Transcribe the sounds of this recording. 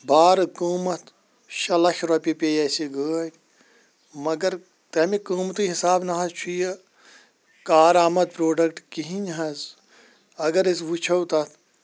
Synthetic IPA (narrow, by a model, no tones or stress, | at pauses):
baːɾkuːmɐt̪ʰ | ʃɐlɐkɾɐpʲipʲeːjɐsiɡəːtʲ | mɐɡɐɾ | t̪ɐmikuːmt̪iɦisaːbnɐɦɐt͡ʃʰujɐ | kaːɾaːmɐd̪̚pɾoːɖɐkʈkiɦinɦɐz | ɐɡɐɾisʋut͡ʃʰɐwt̪ɐt̪ʰ